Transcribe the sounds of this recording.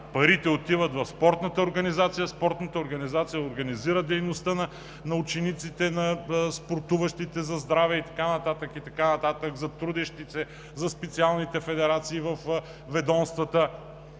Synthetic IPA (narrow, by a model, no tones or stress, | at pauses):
pɐɾit̪ɛot̪ivət̪vɐfspɔɾt̪nət̪əoɾɡɐnizat̪sijɐspɔɾt̪nət̪əoɾɡɐnizat̪sijɐoɾɡɐniziɾəd̪ɛjnost̪ənɐ | nɐut͡ʃɛnit̪sit̪ɛnɐspoɾt̪uvɐʃt̪it̪ɛzɐzd̪ɾavɛit̪ɐ̥kanɐt̪at̪əkit̪ɐkanɐt̪at̪əɡzɐt̪ɾud̪ɛʃt̪isɛ | zɐspɛt̪sialˠnit̪ɛfɛd̪ɛɾat̪siːvɐf | vɛd̪ɔnst̪vət̪ə